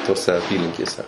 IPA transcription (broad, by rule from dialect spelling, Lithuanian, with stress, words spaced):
toːˈsʲɛ ɐˈpʲiːlʲɪŋʲkʲeːsʲɛ